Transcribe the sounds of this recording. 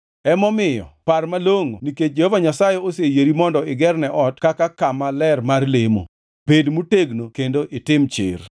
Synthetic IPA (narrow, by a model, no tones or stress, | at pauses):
ɛmɔmɪjɔ̰parmaloŋoniket͡ʃ̚d͡ʒehovaɲasajeosejeɾimɔndɔɪɡɛrnɛʔɔtkakakamalɛrmarlemo̰ | pedmuteɡnokendoʔɪtɪmt͡ʃɪ̰r